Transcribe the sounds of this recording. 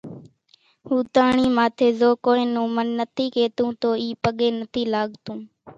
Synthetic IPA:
huːt̪aːɳiːmaːt̪ʰeːzoːkoːẽːnõːmənːət̪ʰiːkeːt̪ũːt̪oːiːpəɠeːnət̪ʰiːlaːɠt̪ũː

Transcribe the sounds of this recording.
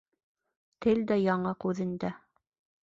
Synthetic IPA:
t̪ʰɘld̪æjɑɴɤqʉðɘ̆nd̪æ

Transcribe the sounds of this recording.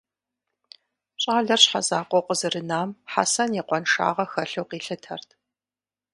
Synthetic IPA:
ɕʼaːɮɐrɕħa̰zaːqʷɔqʷəzɨrɨnaːmħa̰sɐnjiqʷɔnʂa̰ːʁɐxɐɬowqiːɬɨtʰɐrtʰ

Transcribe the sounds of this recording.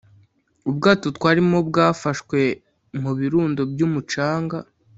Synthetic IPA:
ubɡaːtotkwaːɾimo̞b̚ɡaːfaʃkwe̞ | m̥uβiɾuːndo̞bjuːmut͡ʃaːŋɡa

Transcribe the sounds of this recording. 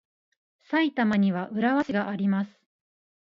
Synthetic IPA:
sait̪amaɲ̟iβaʔɯ̟ɾaβaɕiɡaʔaɾʲimasɨ̥

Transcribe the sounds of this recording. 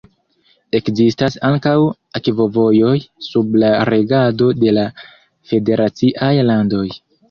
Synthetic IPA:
e̞kzistasaŋkaw | akvo̞vo̞jo̞jsublaɾe̞ɡado̞de̞la | fe̞de̞ɾat͡siʔajlando̞j

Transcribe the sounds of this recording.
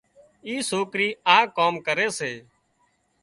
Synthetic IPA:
iːsoːkɾiːaːkoːmkəɾeːseː

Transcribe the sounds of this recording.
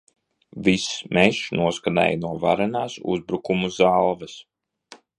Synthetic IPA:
vismɛʃnuɔskana̰jnuɔva̰ɾanaːsṵzbɾukumuzalˠvɛs

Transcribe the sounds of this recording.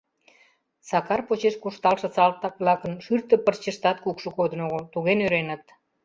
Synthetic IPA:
sɑkɑrpot͡ɕeʃkuʃt̪ɑlʃɤ̆t͡sɑlt̪ːɑk̚βlɑkənʃyrt̪ə̆pərt͡ɕəʃt̪ɑt̪̚kukʃəkod̪ənoɣot̪uɣenøɾenə̆t̪̚

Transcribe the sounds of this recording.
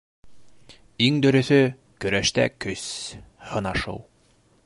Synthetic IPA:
iŋd̪ɵ̆ɾɵ̆θɵ | kɵ̆ɾæʃt̪æ̰kɵshɤ̆nɑʃɤ̰w

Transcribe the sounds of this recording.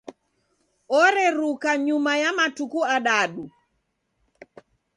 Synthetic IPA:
ɔɾɛɾukaɲumajamatukuaɗaɗu

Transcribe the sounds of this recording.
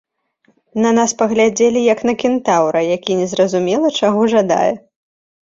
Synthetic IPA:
nɐnaspɐɣlʲad͡zʲelʲijɐknɐkʲint̪awɾɐjakʲinʲɛzrɐzumʲɛlˠɐt͡ʂaɣɔʐad̪a̰jɛ

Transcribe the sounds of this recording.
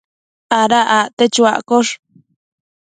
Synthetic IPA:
aɾaʔaʔt̪et͡ʃuaʔkoʂ

